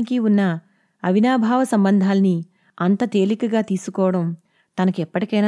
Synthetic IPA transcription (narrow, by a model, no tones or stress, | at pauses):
ikiunːɐ | ɐʋinaːbʱaːʋɐsɐmbɐnd̪ʱaːlɐni | ɐnt̪ɐt̪e̞ːlikɐɡaːt̪iːsukɔːɐɽɐm | t̪ɐnɐkuɛpːɐʈikɐjna